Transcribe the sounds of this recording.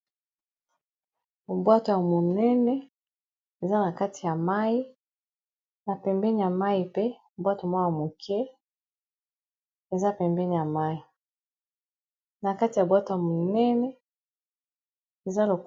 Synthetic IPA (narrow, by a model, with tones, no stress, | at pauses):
o˨bwa˦to˨ja˨mo˨nɛ˦nɛ˦ | e˨za˦na˨ka˦ti˨ja˨ma˦ji˦ | na˨pɛ˨mbɛ˦ni˨ja˨ma˦ji˨pe˦˨ | bwa˦tmwja˨mo˨kʰɛ˦ | e˨za˦pɛ˨mbɛ˦ni˨ja˨ma˦ji˨ | na˨ka˦ti˨ja˨bwa˦to˨ja˨mo˨nɛ˦nɛ˦ | e˨za˦lo˨k